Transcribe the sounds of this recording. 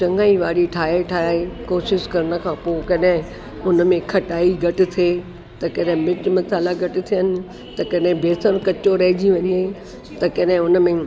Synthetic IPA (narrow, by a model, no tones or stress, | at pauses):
t͡ɕɐ̃ŋɡaːiʋaːɽiʈʰaːɦeʈʰaːaekoːʃɪʃkɐɾəɽ̃ə̆kʰãːpoːɪkɐɗɦɪ̃ | ʊnəmẽkʰɐʈaːiɡʱɐʈɪ̆t̪ʰeː | t̪ɐkɐɗɦɪ̃mɪt͡ɕmɐsaːlaɡʱɐʈɪ̆t̪ʰijənɪ̆ | t̪ɐkɐɗɦɪ̃bʱeːsəɾ̃kɐt͡ɕoɾɐɦɪd͡ʑiʋɐɲiaː | t̪ɐkɐɗɦɪ̃ʊnəmẽ